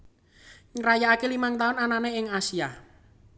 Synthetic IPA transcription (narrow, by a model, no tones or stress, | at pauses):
ŋəɾajaakelimaŋt̪aʊnananeɪŋasia